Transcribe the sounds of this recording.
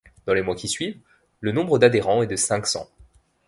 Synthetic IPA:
d̪̥ɑ̃lemwakʲisɥiv | lənɔ̃bʁəd̪ad̪eʁɑ̃ɛd̪əsɛ̃ksɑ̰̃

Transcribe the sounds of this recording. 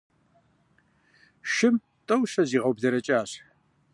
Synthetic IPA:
ʃɪm | tʼɐwɕɐziːʁɐwbzɐɾɐt͡ʃʼaːɕ

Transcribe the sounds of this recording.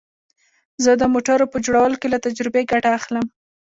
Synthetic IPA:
zəd̪əmoʈaɾopəd͡ʒoɽawəlokelat̪ad͡ʒɾɪbeɡaʈaːxləm

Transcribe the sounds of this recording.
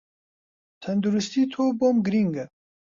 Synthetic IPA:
t̪ʰɐnd̪uɾust̪iːt̪ʰoːboːmɡɨɾiŋɡɐ

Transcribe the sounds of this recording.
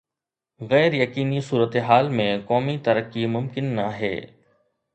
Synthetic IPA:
ɣɛːɾjɐkiːnisuːɾət̪eɦaːlmẽkɔːmit̪ɐɾəkːimʊmkɪnːaɦɛ̰ː

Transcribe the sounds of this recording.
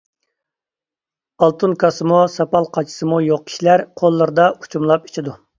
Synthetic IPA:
ɑlˠt̪ʰɨnkʰɑsɨmusɑpɑlˠqʰɑt͡ʃʰi̥sɨmujoq̚kʲʰi̥ʃilæɾqʰolˠːɨɾɨd̪ɑu̥t͡ʃʰumlˠɑpi̥t͡ʃʰid̪u

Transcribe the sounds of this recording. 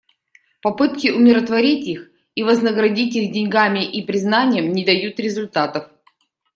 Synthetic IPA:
pɐpɨt̪̚kʲɪʊmʲɪɾət̪vɐɾʲitʲix | ivəznəɡɾɐdʲitʲixdʲɪnʲɡamʲɪʔipɾʲɪznanʲɪjəmnʲɪd̪ɐjut̪ɾʲɪzʊlʲt̪at̪əf

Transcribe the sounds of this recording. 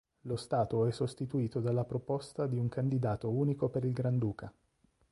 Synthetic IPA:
lost̪aːt̪oɛsːost̪it̪uiːt̪od̪alːapɾopost̪ad̪iuŋkand̪id̪aːt̪ouːnikopeɾilɡɾand̪uːka

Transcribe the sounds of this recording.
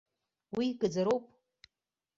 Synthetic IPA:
wiɡʼɨd͡zaɾowpʼ

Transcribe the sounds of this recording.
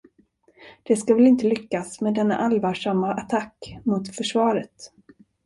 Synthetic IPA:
d̪̥ɛskavɛlɪnt̪əlʏkːasmɛd̪ɛnːa̰ʔalvaːʂamːaʔat̪ʰakːmʊt̪fœʂvɑːɾət̪

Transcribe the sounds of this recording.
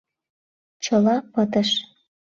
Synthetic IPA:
t͡ɕəlɑpət̪ə̆ʃ

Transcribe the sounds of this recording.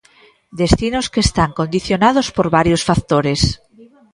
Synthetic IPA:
d̪est̪inoskeːst̪aŋkond̪iθjonað̞ospoɾβaɾjosfakt̪oɾes

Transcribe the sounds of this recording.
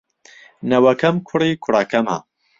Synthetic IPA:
nɐwɐkʰɐmkʰʊrikʰʊɾaːkʰɐmɐ̰

